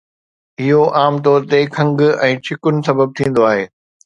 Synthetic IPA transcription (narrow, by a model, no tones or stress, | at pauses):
ɪɦoʔaːmt̪̬oːɾt̪ekʰɐ̃ŋɡɛ̃ːt͡ɕʰɪkʊnɪ̆sɐbəb̚t̪ʰĩːn̆d̪oaːɦeː